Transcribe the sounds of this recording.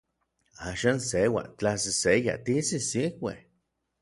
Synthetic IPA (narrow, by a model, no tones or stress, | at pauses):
aʃansewa̰t͡ɬasiseja̰t̪isisiwʷḛh